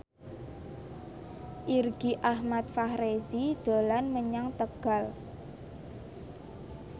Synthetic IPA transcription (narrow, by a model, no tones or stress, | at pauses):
ʔirɡ̥iʔahmat̪̚fahɾezid̪̥a̤lanməɲaŋt̪əɡ̥a̤l